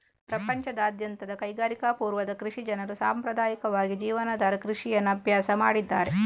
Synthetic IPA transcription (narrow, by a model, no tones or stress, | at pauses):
pɾɐpɐɲt͡ʃɐd̪aːd̪jɐnt̪ɐd̪ɐkɐjɡaːɾikapuːɾʋɐd̪ɐkɾuʂid͡ʒɐnɐɾusaːmpɾɐd̪aːjikɐʋaːɡid͡ʒiːʋɐnɐd̪aːɾɐkɾuʂijɐnːɐbʱjaːsɐmaːɽid̪ːaːɾe